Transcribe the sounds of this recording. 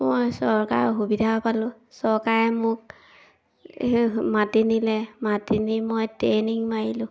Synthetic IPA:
mojsɔɹka̰ɹɦubidʱapalʊ̃ | sɔɹkaɹɛmʊk̚ | matinilɛmatinimojteniŋmaɹilʊ̃

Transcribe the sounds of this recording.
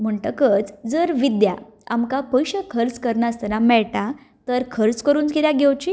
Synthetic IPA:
m̤əɳʈəkət͡sd͡zəɾʋid̪ja̰ | a̰mkapəjɕəkʰəɾt͡skəɾɳast̪ʰəɾãmɛɭʈa | t̪əɾkʰəɾt͡skəɾuːnt͡skiljaɡʱɛwt͡ɕi

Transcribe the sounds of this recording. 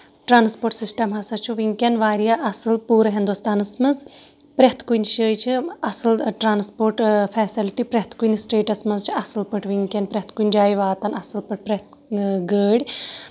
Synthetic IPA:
ʈɾaːnspoːɾʈsisʈɐmɦɐsɐt͡ʃʰuʋiŋkʲenʋaːɾijaʔɐsɨlpuːɾɐɦind̪ust̪aːnɐsmɐz | pɾʲet̪ʰkujnʲʃəːjt͡ʃʰiɐsɨlʈɾaːnspoːɾʈfʰɛːsilʈipɾet̪ʰkujnsʈeːʈɐsmɐzt͡ʃʰiɐsɨlpɨʈʰʋiŋkʲɐnpɾʲeɦt̪ʰkunʲd͡ʒaːjʋaːt̪ɐnɐsɨlpɨʈ̚pɾet̪ | ɡəːɽʲ

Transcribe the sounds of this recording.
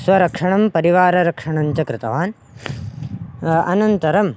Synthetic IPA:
sʋɐɾɐkʂɐɳɐmpɐɾiʋaːɾɐɾɐkʂɐɳɐɲt͡ʃɐkɾɪt̪ɐʋaːn | ɐnɐnt̪ɐɾɐm

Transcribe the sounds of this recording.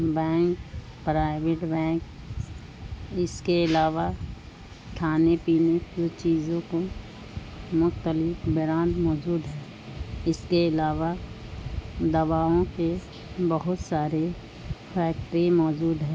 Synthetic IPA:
bɛ̃ːŋk | pɾaːɪʋɪʈbɛ̃ːk | ɪskeɪlaːʋa | ʈʰaːnepiːned͡ʒot͡ʃiːzõko | mʊxt̪əlɪkbɪɾaːnmɔːd͡ʒuːd̪ɦɛ̃ː | ɪskeɪlaːʋa | d̪ɐʋaːõke | bəɦʊt̪saːɾe | pʰɛːk̚ʈɾimɔːd͡ʒuːd̪ɦɛ̃ː

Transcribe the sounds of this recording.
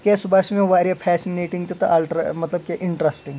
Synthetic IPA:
kʲesubaːsmẽʋaːɾjapʰɛsineːʈĩŋɡt̪et̪ɐalʈɾmɐt̪ləb̚keʔɪɳʈɾɐsʈĩŋɡ

